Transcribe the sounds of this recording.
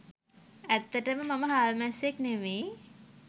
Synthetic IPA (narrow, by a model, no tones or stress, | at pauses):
æt̪ːəʈəməmaməɦaːlmæsekneme